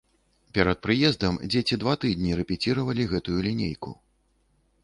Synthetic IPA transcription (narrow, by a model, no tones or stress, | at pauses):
pʲɛɾɐt̪̚pɾɨjɛzd̪ɐmd͡zʲet͡sʲid̪vat̪ɨd̪ʲnʲiɾɛpʲit͡sʲiɾɐvɐlʲiɣɛt̪ujulʲinʲḛjkṵ